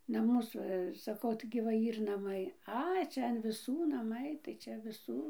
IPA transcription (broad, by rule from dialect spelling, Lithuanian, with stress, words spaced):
nɐˈmʊs ˈʋɐ sɐˈkɐʊ tɐɪɡʲɪ ʋɐ ˈiːr nɐˈmɐɪ ˈɐɪ ˈt͡ʃʲɛ ɐn ʋʲɪˈsuː nɐˈmɐɪ tɐɪ ˈt͡ʃʲɛ ʋʲɪˈsuː